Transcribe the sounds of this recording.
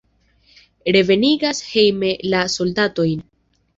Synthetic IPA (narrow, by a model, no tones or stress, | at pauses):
ɾe̞ve̞niɡashe̞jme̞laso̞ldato̞jn